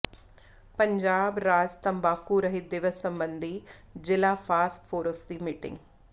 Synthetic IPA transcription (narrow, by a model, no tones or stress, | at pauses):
pɐ̃ɲd͡ʑaːbɾaːd͡ʒt̪ɐ̃mbaːkuɾɐɦid̪ɪʋəsːɐ̃mbə̃nd̪ʱizɪlafaːsʈfoːɾoːst̪iːmɪʈɪ̰̃ŋɡ